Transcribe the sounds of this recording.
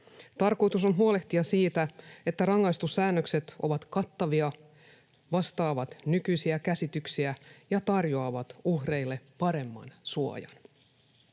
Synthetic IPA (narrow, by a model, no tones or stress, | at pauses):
t̪ɑrko̞jt̪us̬o̞nɦuo̞le̞ht̪iɑsiːt̪æe̞t̪ːærɑŋːɑjst̪usːæːnːøkse̞t̪oʋɑt̪kɑt̪ːɑʋiɑ | ʋɑst̪ɑːʋɑt̪nykyjsiækæsit̪yksiæjɑt̪ɑrjoɑʋɑt̪uhre̞jlːe̞pɑɾe̞mːɑ̰nsuo̰jɑ̰n